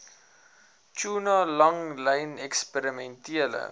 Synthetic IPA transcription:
t͡ʃuːnɑlɐŋləjnɛkspəɾimɛntiələ̰

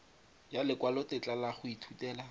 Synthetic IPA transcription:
jalɪkwalɔtɪt͡ɬʼalaχʊitʰutɛːla

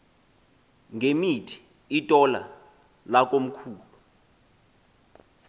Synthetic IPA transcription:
ŋemitʰi̥ː | tʼɔla̰ | lak̬ʼom̩kʰuːlu

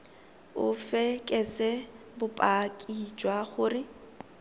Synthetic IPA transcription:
ʊfɛkʼɛsɛ | bʊpʼakʼid͡ʒwaχʊːrɪ

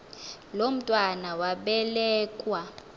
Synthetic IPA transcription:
lom̩tʼwanawaɓɛlɛːkʼwa

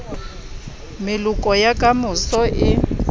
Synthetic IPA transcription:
mɪlukʼɔjakʼamʊsɔʔɪ

